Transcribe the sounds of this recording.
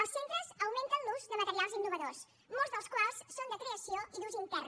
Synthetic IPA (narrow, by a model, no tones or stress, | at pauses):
əlˠssent̪ɾəzəwment̪ənluzðəmət̪əɾialˠzinːuβəðos | molˠzðəlˠskwalˠsːond̪əkɾeəsioiðuzint̪ɛr